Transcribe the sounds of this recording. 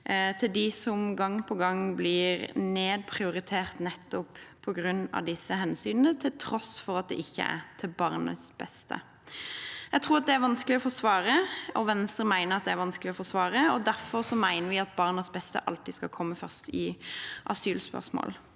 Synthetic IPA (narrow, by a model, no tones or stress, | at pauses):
t̪ʰɪld̪ɪsɔmɡɑŋːpʰɔɡɑŋːblɪɾneːd̪̚pʰʁɪʊɾɪt̪ʰeːʁt̪nɛt̪ːɔppʰɔɡɾʉnːɑ̰ʋd̪ɪsːəɦɛnsyːnənət̪ʰɪlt̪ʰɾɔsfɔʁɑt̪̚d̪ɛ̰ʔɪçːə̰æ̰t̪ʰɪlbɑːʁnə̰sb̥ɛst̪ʰə̰ | jæɡt̪ʰʁuːʁɑt̪̚d̪ɛæɾʋɑnsklɪɔfɔsʋɑːɾəʔɔʋɛnst̪əɾmæɪnəʁɑt̪̚d̪ɛæɾʋɑnsklɪɔfɔsʋɑːʁəɔd̪æʁfɔʁsɔmæɪnəʁɾʋɪɑt̪̚bɑʁnəsbɛst̪ə̰ʔɑlt̪ɪskɑkʰɔmːəfœʁst̪ɪʔɑsyːlspœ̰ʁsmo̰ːl